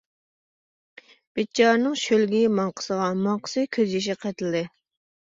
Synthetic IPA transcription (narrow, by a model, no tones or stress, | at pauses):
b̥et͡ʃʰɑɾnɨŋʃølɡʲimɑŋqʰə̥səʁɑmɑŋqʰə̥sɨkʲʰøzjiʃ̬iqʰɛt̪ɪld̪ɪ